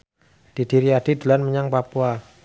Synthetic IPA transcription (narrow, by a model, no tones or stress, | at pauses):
d̥id̥iɾiad̥id̪əlanməɲaŋpapua